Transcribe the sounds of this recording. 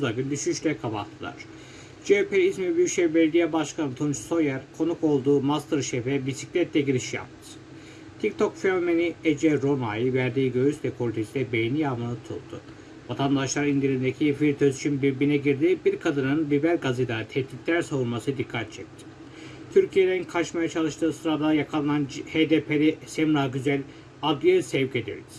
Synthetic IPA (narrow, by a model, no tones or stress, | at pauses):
uzaɡynd̪yʃyʃlʲɛkʰabat̪ʰːɯlˠa̰ɾ̥ | d͡ʒepʰeizmibyʃɛbɛlʲɡʲijɛbaʃkanɯt̪ʰomt͡ʃʰu̥so̞jæɾkʰo̞nuko̞lˠd̪uːmast̪ɯɾʃɛfɛbisiclʲɛt̪lʲɛɟiɾiʃija̰p̚t̪ʰɯ̥ | t̪ʰict̪ʰo̞kfenomeniɛd͡ʒɛɾo̞majivæɾd̪iːɟø̞ɾyslʲɛkʰolʲit̪ʰisilʲɛbejnijamanˠɯt̪ʰulˠd̪ʰʊ̰ | vat̪ʰand̪aʃlˠaɾind̪iɾind̪ecʰifilʲt̪ʰøzit͡ʃʰinbiɾbinɛɟiɾd̪ibiɾkʰad̪ɯnɯnlibælʲɡazid̪at̪ʰɛht̪it̪lʲæɾsavuɾmasɯd̪ikʰːat̪̚t͡ʃʰɛc̚t̪ʰɪ̥ | t̪ʰyɾcʰijelʲeninkʰat͡ʃmajat͡ʃʰalˠɯʃt̪ʰɯːsɯɾad̪ajakʰalˠananhed̪epʰelɛsɛmɾaːɟyzælʲ | ad̪ɯsɛvced̪ḭɾi̥